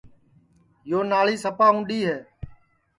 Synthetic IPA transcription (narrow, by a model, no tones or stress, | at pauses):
joːnaːliːsəpaːũːɗiːɦeː